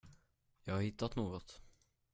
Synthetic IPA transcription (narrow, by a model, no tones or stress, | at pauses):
jɑːɡhaɾhɪt̪ːat̪noːɡɔt̪